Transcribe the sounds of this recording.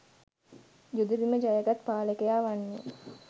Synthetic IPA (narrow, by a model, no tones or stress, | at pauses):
d͡ʒud̪ud̪iməd͡ʒajəɡat̪paːləkejaːʋanːṵ